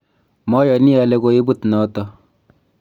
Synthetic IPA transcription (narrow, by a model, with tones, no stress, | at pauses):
mɔ˦jɔ˨ni˦a˨lɛ˨ko˦i˦bu˦t̪nɔ˨˦tɔ˦